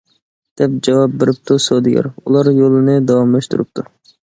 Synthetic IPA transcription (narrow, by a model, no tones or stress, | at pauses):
d̪̥ɛp̚d͡ʒɑwɑp̚beɾɪp̚t̪ʰusod̪ɪɡʲɛ̰ɾulˠɑɾjolˠɨnɨd̪ɑwɑmlˠɑʃt̪uɾup̚t̪ʰu